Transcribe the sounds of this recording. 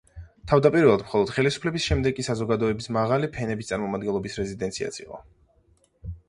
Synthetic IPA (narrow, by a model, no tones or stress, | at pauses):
t̪ʰavd̪apʼiɾvɛlˠad̪mχɔlˠɔd̪̥χɛlisu̥pʰlɛbisʃɛmd̪ɛɡkːʼisazɔɡad̪ɔɛbismaʁalipʰɛnɛbist̪ʼaɾmɔmad̪ɡɛnlˠɔbisɾɛzid̪ɛnt̪sʰia̰t̪sʰḭqʼɔ̰